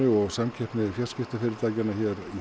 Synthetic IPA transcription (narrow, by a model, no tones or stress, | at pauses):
ʏɔɣsamcʰɛhpnɪfjascɪft̪afɪɾɪɾt̪aːcanaçɛɾi